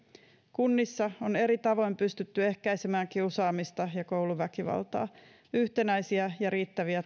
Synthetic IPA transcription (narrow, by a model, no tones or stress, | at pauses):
kunːisːɑo̞ne̞ɾit̪ɑʋo̞jmpyst̪yt̪ːye̞hkæjsemæːŋkiusɑːmist̪ɑjɑkowluʋækiʋɑ̰lt̪ɑ̰ː | yht̪e̞næjsiæjɑɾiːt̪ːæʋiæ